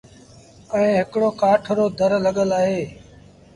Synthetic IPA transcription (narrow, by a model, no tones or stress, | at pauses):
əĩːɦɪkɽoːkaːʈʰɾoːd̪ʱəɾləɠəlaːɦeː